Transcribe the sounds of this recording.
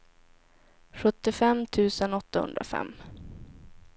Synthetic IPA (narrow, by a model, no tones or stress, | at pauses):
ɧɵt̪ːɪfɛmt̪ʰʉ̟ːsənɔt̪ːahɵ̰nd̪ɾa̰fɛ̰mː